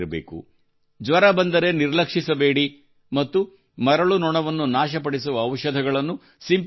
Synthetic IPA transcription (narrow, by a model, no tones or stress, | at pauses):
ɾɐbḛːkṵ | d͡ʒʋɐɾɐbɐnd̪ɐɾe̞niɾlɐkʂisɐbe̞ːɽi | mɐt̪ːu | mɐɾɐɭunɔɳɐʋɐnːunaːʃɐp̬ɐɽisuʋɐːʋʃɐd̪ʱɐɡɐɭɐnːu | simp